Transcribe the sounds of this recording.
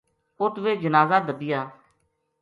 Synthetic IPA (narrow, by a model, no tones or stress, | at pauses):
ʊt̪ʋeːd͡ʒənaːzaːd̪əbɪjaː